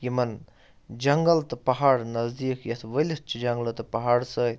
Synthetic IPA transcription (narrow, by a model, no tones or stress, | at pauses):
jimɐn | d͡ʒɐŋɡɐlt̪ɨpɐɦaːɽnɐzd̪iːkʰjɐt̪ʰʋɐlʲit͡ʃʰid͡ʒɐŋlɐt̪ɨpɐɦaːɽsəːjt̪